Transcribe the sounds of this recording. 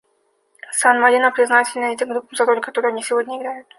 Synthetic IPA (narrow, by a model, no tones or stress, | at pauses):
sanmɐɾʲinəpɾʲɪznatʲɪlʲnəjɛtʲɪmɡɾupːəmzɐɾolʲkɐt̪oɾʊjɐnʲisʲɪvo̞dʲnʲəɪɡɾʲajʊt̪̚